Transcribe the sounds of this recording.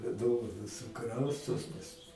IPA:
ˈdoːʋɐnoːs sʊˈkrɐʊstoːs pɐs

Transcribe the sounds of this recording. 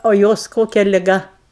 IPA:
oː ˈjoːs ˈkoːkʲɛ lʲɪˈɡɐ

